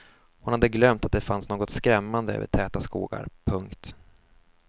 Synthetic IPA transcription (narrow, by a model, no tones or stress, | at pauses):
hʊnhad̪ːəɡlœmt̪at̪̚d̪ɛfansnoːɡɔt̪skɾɛmːand̪əø̰və̰ʈʰɛːt̪askṵːɡa̰ɾpʰɵŋkt̪